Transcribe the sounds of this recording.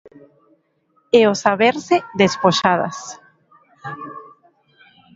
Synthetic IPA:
eosaβeɾseðespoʃaða̰s

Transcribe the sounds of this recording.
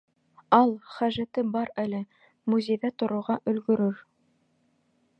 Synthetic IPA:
ɑlˠχæʒæt̪ɘbɑɾælɘ | muzʲejðæt̪ŏɾŏwʁɑʔɵ̆lɡɵ̆ɾɵɾ

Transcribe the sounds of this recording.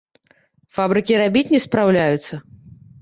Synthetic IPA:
fabɾɨkʲiɾabʲit͡sʲnʲɛspɾawlʲajut̪sːɐ

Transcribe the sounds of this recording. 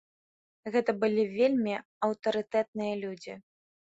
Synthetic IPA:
ɣɛt̪ɐbɨlʲivʲelʲmʲi | ɐwt̪ɐɾɨt̪ɛt̪̚nɨjɐlʲud͡zʲi

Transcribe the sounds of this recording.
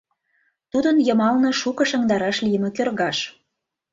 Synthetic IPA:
t̪ud̪ənjəmɑlnɤʃukɤ̆ʃəŋd̪ɑɾɑʃlijəmĕkørɣɑʃ

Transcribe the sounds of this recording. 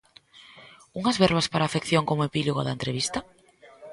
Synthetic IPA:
uŋɐzβɛɾβaspaɾaːfekθjoŋkomoepiloɣoðaent̪ɾeβ̞ist̪ɐ

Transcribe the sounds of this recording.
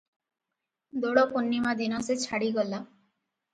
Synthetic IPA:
d̪oɽoponːimad̪inoset͡ɕʰaɽiɡɔla

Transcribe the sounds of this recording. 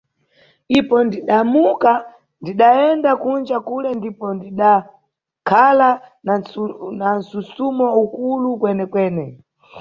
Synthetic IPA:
ipɔndiɗamuka | ndiɗaɛndakund͡ʒakulɛndipɔndiɗa | kʰalannan̩susumɔukulukwɛnɛkwɛːnɛ

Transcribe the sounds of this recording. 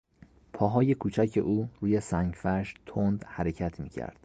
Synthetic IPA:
pʰɒːɦɒːje̞kʰuːt͡ʃʰæcʰe̞̰ʔuːɾuːje̞sæŋɟfæʃt̪ʰond̪hæɾe̞cʰæt̪ʰmiːcʰæ̰ɾd̪̥

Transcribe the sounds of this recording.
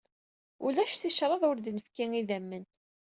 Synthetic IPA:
ulæʃθiʃɾˤɑðˤʊɾd̪nəfkiŋiðæmːən

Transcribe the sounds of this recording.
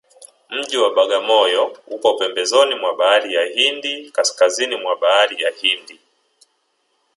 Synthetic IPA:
m̩ʄiwaɓaɠamɔjɔhukɔpɛmbɛzɔnimwaɓaaɾijahindikaskazinimwaɓaaɾijahindi

